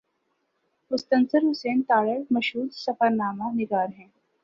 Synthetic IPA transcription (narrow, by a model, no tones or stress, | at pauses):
pʊst̪ənst͡səɾɦuseːnt̪aːɭəɽməɕɦuːɾsəfəɾnaːmaniɡaːɾɦɛ̃